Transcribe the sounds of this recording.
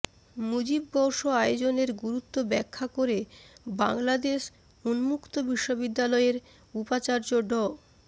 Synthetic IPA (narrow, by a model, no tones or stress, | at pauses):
mud͡ʑib̚ɡɔwʃoajod͡ʑoneɾɡuɾut̪ːobɛkʰːakoɾebaŋlad̪eʃ | unmukt̪obiʃːobid̪ːalɔeɾ | upat͡ɕaɾd͡ʑoɖɔ